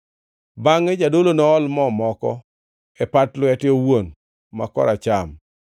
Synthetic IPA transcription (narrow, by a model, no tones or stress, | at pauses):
baŋed͡ʒadolonɔːlmɔmɔkɔ̰ | ɛpatlwɛtɪowon | ma̰kɔ̰ɾat͡ʃam